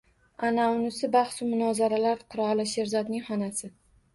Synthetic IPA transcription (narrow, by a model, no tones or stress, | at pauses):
anaʊnɪsɪbaχsʊmʊnɒzaɾalaɾqʰʊɾɒlɪʃe̞ɾzɒd̪nɪŋhɒnasɪ